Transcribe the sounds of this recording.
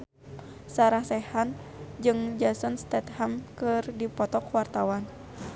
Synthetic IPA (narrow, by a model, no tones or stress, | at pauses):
saɾahsɛhan | d͡ʒɨŋd͡ʒasɔnst̪ɛt̪̚hamkɨrdipɔt̪ɔkwart̪awan